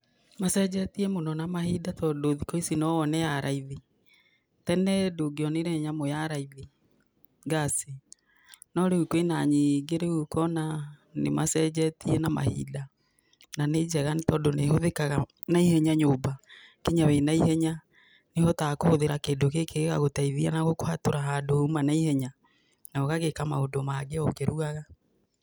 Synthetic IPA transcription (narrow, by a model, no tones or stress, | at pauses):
masɛd͡ʑɛtiɛmonɔnamahidatɔdoðikɔisinɔɔnɛjaɾʔaiði | tɛnɛdoɡeɔneɾɛɲamojaɾaiði | ɡase | nɔɾeukwenaɲiɡeɾeukɔnanḛmasɛd͡ʑɛtiɛnama̰hḭda | naned͡ʒɛɣanitɔːndonehoðekaɣa | naihɛɲaɲoːbakeɲawenaiɦɛɲa | nehɔtakohoðeɾakeːndokekeɣaɣotaiðianaɣokohatoɾaɦaːdoumanaihɛɲa | naɔɣaɣekamaodomaɡeɔkeɾuɣaɣa